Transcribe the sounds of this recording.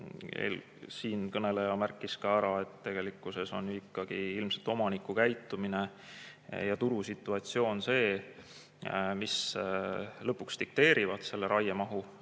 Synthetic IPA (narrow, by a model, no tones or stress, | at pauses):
ḛl | siːnkɤne̞lejɑmærkːˑiskɑæɾɑe̞t̪t̪ːe̞ɡ̥e̞likːˑuse̞so̞njyikːɑɡ̥iilmse̞lt̪o̞mɑnikːˑukæjt̪ːˑumine̞ | jɑt̪uɾusit̪ːˑuɑt̪sio̞ːnse̞ː | mis | lɤpːukst̪ik̚t̪e̞ːɾʔivɑd̪se̞lːe̞ɾɑjemɑɦu